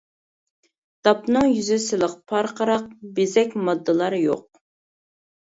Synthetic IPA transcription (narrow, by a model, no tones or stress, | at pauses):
d̪̥ɑpnɨŋjyzɪsɪlˠəqpʰɑɾqʰəɾɑq̚bezɛkʲmɑd̪ːɨlˠɑɾjo̰q̚